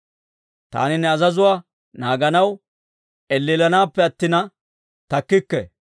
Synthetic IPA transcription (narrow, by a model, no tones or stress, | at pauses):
t̪a̰ːnɪnɛɐzɐzʊwaː | naːɡɐnɐw | ɛlːiːlɐnaːpːɛɐt̪ːɪnɐ | t̪ɐkːɪkːɛ̰